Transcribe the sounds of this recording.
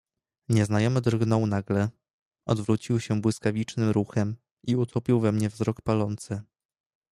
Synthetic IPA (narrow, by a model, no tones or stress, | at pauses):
ɲɛznajɔmɘd̪rɡnɔwnaɡlɛ | ɔ̰d̪vɾut͡ɕiwɕɛbwɘskavʲit͡ʂnɘmɾuxɛm | ʔiut̪ʰɔpʲiwvɛmɲɛvzɾɔkpalɔnt̪sɘ